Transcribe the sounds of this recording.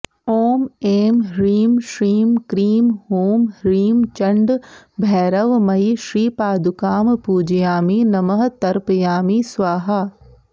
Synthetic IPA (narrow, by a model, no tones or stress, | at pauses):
oːmeːmɾiːmʃɾiːmkɾiːmɦoːmɾiːmt͡ʃɐ̃ɳɖbʱɛːɾɐʋmɐiʃɾiːpaːd̪ukaːmpuːd͡ʒijaːminɐmɐɦt̪ɐɾpəjaːmisʋaːɦa